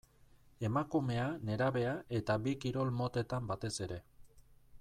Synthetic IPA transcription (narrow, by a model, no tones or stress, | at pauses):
e̞makume̞ane̞ɾaβe̞ae̞t̪abikiɾo̞lmo̞t̪e̞t̪ambat̪e̞se̞ɾe̞